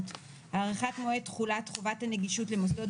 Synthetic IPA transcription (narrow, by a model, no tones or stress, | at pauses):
t | aʁeχatmoetχulatχuvathaneɡiʃutlemos̬dod